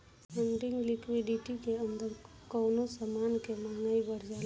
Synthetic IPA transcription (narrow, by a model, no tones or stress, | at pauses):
ɛ̃ɳɖɪ̃ŋɡlɪkʋiɖɪʈikeənd̪əɾ | kəːnosəmaːnkemanaibəɾd͡ʒaːl